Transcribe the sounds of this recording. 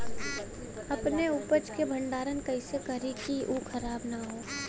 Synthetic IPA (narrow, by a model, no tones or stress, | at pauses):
ɐpneupət͡ʃkebʱɐ̃ɳɖaːɾənkɐisekəɾikiʔuːkʰɐɾaːbnaɦoː